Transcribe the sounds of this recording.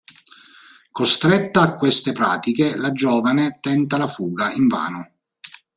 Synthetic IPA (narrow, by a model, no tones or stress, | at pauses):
kost̪ɾɛt̪ːaːkːwest̪epɾa̰ːt̪ikelad͡ʒɔːvanet̪ɛnt̪alafuːɡaiɱva̰ːnʊ